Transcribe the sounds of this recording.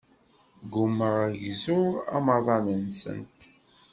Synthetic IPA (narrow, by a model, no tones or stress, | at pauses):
ɡumːəʁʝizʊʁɑ̰məðˤɑnənsə̰nt̪